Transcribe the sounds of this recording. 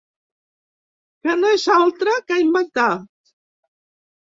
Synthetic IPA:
kənoezalˠt̪ɾəkajmbak̚t̪a

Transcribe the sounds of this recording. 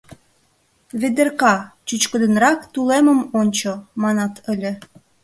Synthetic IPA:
βed̪erkɑt͡ɕyt͡ɕkə̆d̪ə̆nrɑkt̪uleməmonʲt͡ɕomɑnɑt̪ʰəlʲĕ

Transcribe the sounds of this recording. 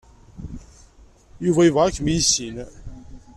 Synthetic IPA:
juvæjuvʁæækːmijsin

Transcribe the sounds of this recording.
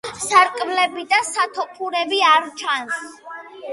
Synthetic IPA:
saɾkʼmlɛbid̪asat̪ʰɔpʰuɾɛbiaɾt͡ʃʰans

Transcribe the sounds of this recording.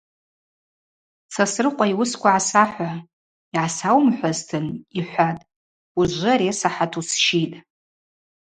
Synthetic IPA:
t͡sʰasrɨqʷʼaiwʊskʷʰaʕasaħʷa | iʕasawmħʷaztʰɨniħʷatʼ | uʒʷɨaɾesaħatʰusʃitʼ

